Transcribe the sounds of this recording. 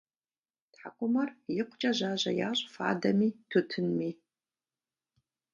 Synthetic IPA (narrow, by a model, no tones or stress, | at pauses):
tħa̰qʷʊmɐrjɪqʷʊt͡ʃʼɐʑaːʑɐ̰ja̰ːɕʼfa̰ːdɐmiːtʰʊtʰɨnmiː